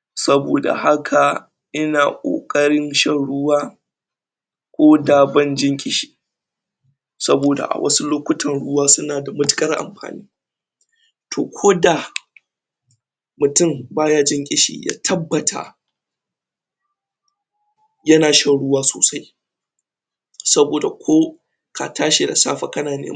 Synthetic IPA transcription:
sɐ˦boː˨da̰˨ha˦kʰa˨ | ʔɪ˦naː˨kʷʼo̰ː˨kʼɐ˦ɽɪ˦nʃɐ˦nɽʊ˦waː˦ | kʷʼoː˦daː˨bɐ˦nd͡ʒɪ˦ŋkʲʼɪ˦ʃi̥ː˨ | sɐ˦boː˨da̰˨ʔa̰˨wʔɐ̰˦su˦loː˦kʷʊ˦tʰɐ˨nɽʊ˦waː˦sʊ˦naː˨da˨mʊ˦tʊ̥˦kʼɐ˦rʔa̰˨mɸa̰ː˨nḭː˦ | tʰoː˨kʷʰoː˦da˨ | mʊ˨tʊ˦˨mbaː˦jaː˦d͡ʒɪ˦ŋkʲʼɪ˦ʃḭː˨ja̰ː˦tʰɐ˦bːɐ˨tʰa̰˨ | jɐ˦naː˨ʃɐ˦nɽʊ˦waː˦so̰ː˨sa˦j | sɐ˦boː˨da˨kʷʰoː˦ | kʰa˨tʰaː˦ʃe˨da̰˨sa̰ː˦ɸa˦kɐ˦naː˨nḛː˦

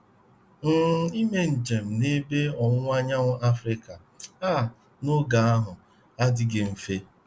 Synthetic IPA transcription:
n̩˦˨i˦me˦n̩˨d͡ʒe˨m̩˨ne˦be˦ɔ˨ŋʷ˦a˦ɲa˦ŋʊ˦ʔa˦fɾɪ˦ka˨ | a˦˨ | nʊ˦ɡa˨a˦ɦʊ˨ | a˦dɪ˦ɡɪ˦m̩˨fe˦

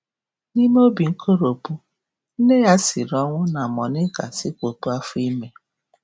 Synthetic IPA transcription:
ni˦m˦o˦bi˨ŋ̩˦kʰo˦ɾo˨pu˦ | n̩˦ne˦ja˦sɪ˨ɾɔ˦ŋʷʊ˦na˨mɔ˨nɪ˦ka̰˨sɪ˦kʷo˨pu˦a˦fʊ˦i˦me˦

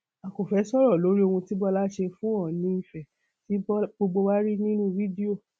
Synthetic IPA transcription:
a˨ko˨fɛ˨˦sɔ˦ɾɔ˦˨lo˨˦ɾi˦o˧hũ˧ti˦bɔ˦la˦ʃe˧fũ˦ɔ˦˨nĩ˨˦i˦˨fɛ˨ | ti˨˦ɡ͡bo˧ɡ͡bo˧wa˦ɾi˦nĩ˦nũ˦vi˦di˦o˦˨

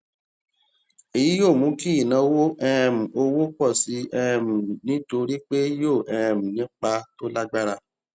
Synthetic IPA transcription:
e˨ji˨˦jo˦˨mũ˨˦ki˦i˦˨nã˨˧wo˦ʔɛ˦˧ɛ˧m̩̃˨o˧wo˦k͡pɔ˦˨si˨˦ɛ˧ɛ˧mũ˨nĩ˨˦to˧ɾi˦k͡pe˦jo˦˨ʔɛ˧ɛ̃˧˨mũ˨nĩ˨˦k͡pa˧to˦la˦ɡ͡ba˦ɾa˧˨

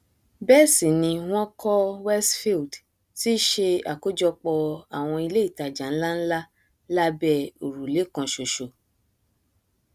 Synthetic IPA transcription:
bɛ˦˨sĩ˨nĩ˧w̃ɔ̃˦kɔ˦wɛ˦sfi˦˨d | ti˦ʃe˧a˨ko˦d͡ʒɔ˧k͡pɔ˧a˨w̃ɔ̃˧i˧le˦i˦˨ta˨d͡ʒã˨˦n̩˦la˦n̩˦la˦ | la˦bɛ˦˨o˨ɾu˨le˨˦˨kɔ̃˧ʃo˨ʃo˨

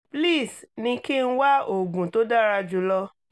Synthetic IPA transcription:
pli˦˨snĩ˧ki˦n̩˦wa˦o˨ɡũ˨to˦da˦ɾa˧d͡ʒu˨˦lɔ˧

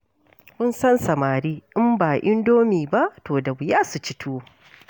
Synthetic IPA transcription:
mʊ˦nsɐ˦nsɐ˨maː˨ɾiː˦ʔɪ˦mbaː˨ʔɪ˦ndoː˦miː˨ba˦ʔtoː˨da˨bʊ˨jaː˦su˨t͡ʃɪ˦tʰuː˦

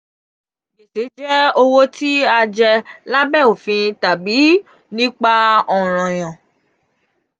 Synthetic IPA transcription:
ɡi˨se˨˦d͡ʒɛ˦o˧wo˦ti˦a˧d͡ʒɛ˧la˦bɛ˦˨o˨fĩ˧ta˨bi˨˦ | nĩ˦k͡pa˦ɔ˨ɾ̃ɔ̃˨j̃ã˨

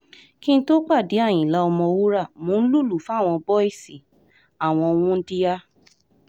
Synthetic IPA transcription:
kĩ˦n̩˦to˦k͡pa˦˨di˨˦a˦˨j̃ĩ˨la˨˦ɔ˧mɔ̃˧wu˦ɾa˦˨mõ˨˦n̩˦lu˦˨lu˨fu˦a˦˨w̃ɔ̃˧bɔ˦i˦˨si˨ | a˨w̃ɔ̃˧w̃ũ˦n̩˦di˦ja˦

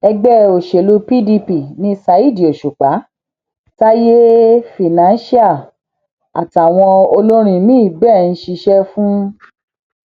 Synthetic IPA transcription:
ɛ˧ɡ͡bɛ˦o˨ʃe˨lu˧pi˦di˧pi˨nĩ˦sa˧˦i˦˨di˨o˨ʃu˨k͡pa˨˦ | ta˦je˦fi˨nã˨˦n˦ʃi˦a˦˨ | a̰˨ta˨w̃ɔ̃˧o˧lo˦ɾ̃ĩ˧nĩ˦i˦˨bɛ˦˨n̩˦ʃi˧ʃɛ˦fũ˦

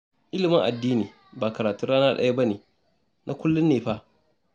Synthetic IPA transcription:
ʔɪ˦lɪ˨mɪ˦ŋʔa˨dːiː˦niː˨ | baː˨kɐ˨ɾaː˨tʊ˦nɾaː˦naː˦ɗɐ̰˨ja˦ba˦neː˨ | nʔa˦kʷʊ˦lːʊ˦nːeː˨ɸa˦ʔ

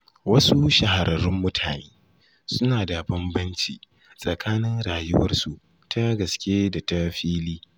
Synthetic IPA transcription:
wɐ˦su˦ʃa˨ɦa˨ɾʔɐ˨ɾʊ˦mːʊ˦tʰaː˨neː˦ | sʊ˦naː˨da˨bɐ˦mbɐ˦nt͡ʃḭː˨ | sʼɐ˨kʰaː˦nɪ˦ŋɾaː˨jʊ˦wɐ̰˦rsu˨ | tʰa˦ɡɐ˨skʲeː˦da˨ta˦ɸiː˦liː˦

